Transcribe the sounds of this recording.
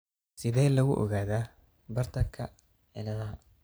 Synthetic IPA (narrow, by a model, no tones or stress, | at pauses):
sɪðɛːlɐɣʊʔɔ̰ɣaːðaː | bɐrt̪ʰɐkʰɐ̰ | ʕɪlɐða